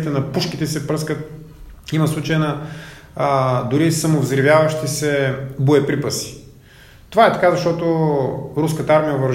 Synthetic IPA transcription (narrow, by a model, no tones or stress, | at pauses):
t̪ɛnɐpuʃkit̪ɛsɛpɾɤskət̪̚ | imɐslˠut͡ʃəjnɐ | d̪ʊɾisɐmovzɾivʲjavɐʃt̪isɛbʊɛpɾipəsi̥ | t̪ovaɛt̪ɐkazɐʃt̪ɔt̪ʊɾuskət̪əaɾmijəvɐɾ